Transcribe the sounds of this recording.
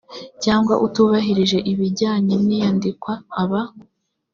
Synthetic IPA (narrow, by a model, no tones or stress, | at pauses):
caːŋɡwa̰ʔutuβaɦiɾiʒe̞ʔiβiɟaːɲenijandikwaːβa